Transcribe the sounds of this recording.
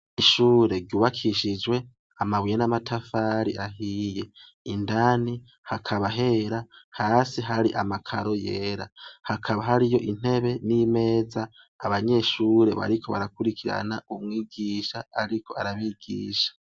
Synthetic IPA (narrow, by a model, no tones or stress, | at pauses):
iʃuːɾe̞ɾɟuːβakʰiʃid͡ʒwe̞ | amaβujenamatʰafaːɾiʔaɦije̞ | indani | hakʰaβaɦe̞ɾahaːsiɦaɾiʔamakʰaɾo̞je̞ːɾahakʰaβaɦaɾijo̞ʔin̥e̞βe̞nime̞ːzaː | βaɲe̞ʃuːɾe̞βa̰ɾikʰo̞βa̰ɾakuɾikʰiɾa̰naumŋiːɡiʃaaɾikʰo̞aɾaβiːɡ̥ḭːʃḁ